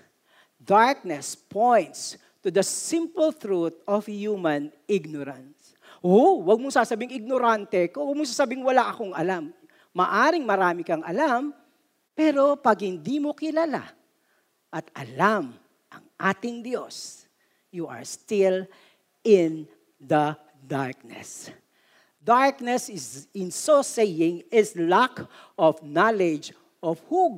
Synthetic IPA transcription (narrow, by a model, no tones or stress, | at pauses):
d̪aɹk̚nɛspʰojnt̪s | t̪ʊd̪ɐsɪ̃mpəlθɾut̪̚ɔfhjumɐ̃nɪɡ̚noɾɐns | ʔowɐɡ̚mosaːsɐbɪŋɪɡ̚noɾant̪ɛkowɐɡ̚mos̬aːsabɪŋwɐlaʔɐkoŋʔɐlamː | ɐʔaːɾɪŋmɐɾaːmɪkɐŋʔɐlam | pɛːɾo̞pɐɡ̚hɪnd̪imo̞kɪlala̰ | ʔɐt̪ʔɐ̰lam | ʔɐ̰ŋʔaːt̪ɪŋd̪jos | juʔɐ̰ɹst̪ɪl | ɪn | d̪ɐ | d̪aɹk̚nɛ̰s | d̪aɹknɛsɪzɪ̃nsosejɪŋɪslakʔɔfnalɛd͡ʒ | ʔɔfhu